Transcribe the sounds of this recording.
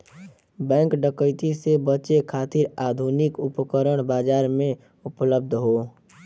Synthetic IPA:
bɛ̃ːŋkɖəkəɪt̪isebət͡ʃekʰaːt̪ɪɾaːd̪ʱunɪkʊpkəɾəɽ̃baːd͡ʒaːɾmẽ | ʊpləb̚d̪ʱɦoː

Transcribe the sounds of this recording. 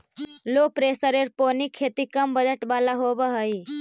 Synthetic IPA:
loːpɾeːsəɾeɾpoːnikʰːeːt̪ikɐmbəd͡ʒəʈbaːlaɦoːbəɦəi

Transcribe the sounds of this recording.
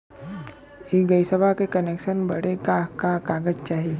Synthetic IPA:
iɡəjsəbʱakekənekʃənbəɽekakakaɡəd͡ʒt͡ʃaːɦi

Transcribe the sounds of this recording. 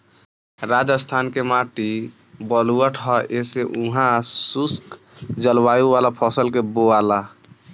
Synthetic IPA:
ɾad͡ʒəst̪ʰankemaʈi | bəluəʈʰɦɔeseʔuɦãsusk | d͡ʒəlbajuwalapʰɔsəlkeboala

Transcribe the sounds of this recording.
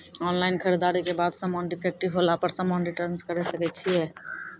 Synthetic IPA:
ɔnlaɪnkʰəɾed̪aɾikebad̪sə̃mɔnʈipʰek̚ʈibɦolapəɾsə̃mɔnɖiʈəɾnskəɾɛsəkɛt̪̚ːt͡ʃʰije

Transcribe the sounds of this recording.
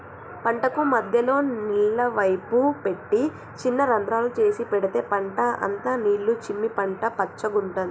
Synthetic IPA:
pɐɳʈɐkumɐd̪ʱjɐlo̞ːniːɭːɐʋɐjpupe̞ʈːi | t͡ʃinːɐɾɐnd̪ɾaːlut͡ʃe̞ːsipɛɽit̪e̞ːpɐɳʈɐʔɐ̰nt̪ɐniːɭːut͡ʃimːipɐɳʈɐpɐt͡ʃːɐɡuɳʈaːi

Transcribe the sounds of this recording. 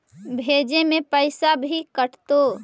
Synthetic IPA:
bʱed͡ʒemẽpəɪsabʱikəʈt̪o

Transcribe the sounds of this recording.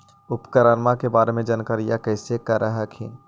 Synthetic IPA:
ʊpkəɾənmakebaːɾemẽd͡ʒənkəɾijakəɪsekəɾəɦəkʰḭn

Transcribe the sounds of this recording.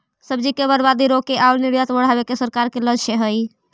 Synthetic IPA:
səbd͡ʒikeβəɾbad̪iɾokeʔauɾniɽjət̪bəɽ̤abekesəɾkaɾkeləd͡ʒt͡ʃʰeɦəj

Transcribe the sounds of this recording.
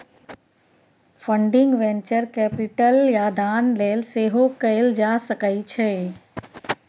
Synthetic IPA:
fə̃ɳɖɪ̃ŋɡʋẽːnt͡ʃəɾkɛːpɪʈəljad̪aːnleːlseːɦokɐɪld͡ʒaːsəkait͡ɕʰeː

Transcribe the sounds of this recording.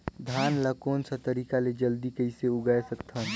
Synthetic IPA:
d̪ʱaːnlakoːnsə̃t̪əɾiːkaled͡ʒəld̪ikəiseʊɡaesəkt̪ʰɦən

